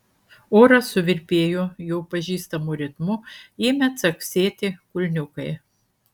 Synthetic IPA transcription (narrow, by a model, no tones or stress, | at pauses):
oːɾɐsʊʋʲɪɾʲpʲeːjojɛʊpɐʒʲiːst̪ɐmʊɾʲɪt̪mʊeːmʲɛt̪sɐksʲeːt̪ʲɪkʊlʲnʲʊkɐɪ